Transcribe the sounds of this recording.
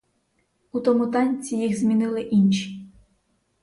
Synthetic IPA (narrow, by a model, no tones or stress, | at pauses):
ut̪ɔmʊt̪ɑnʲt͡sʲijiɣzmʲinɪlˠɪʔinʲʃi̥